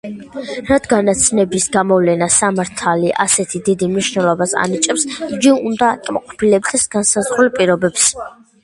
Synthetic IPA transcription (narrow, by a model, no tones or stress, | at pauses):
ɾad̪ɡanat̪sʰnɛbisɡamɔvlɛnasamaɾt̪ʰaliʔa̰sɛt̪ʰid̪id̪imniʃnɛlˠɔbasa̰nit͡ʃʼɛpsiɡiund̪aːkʼma̰qʼɔpʰilɛb̚d̪ɛsɡansazʁɾulˠpʼiɾɔbɛps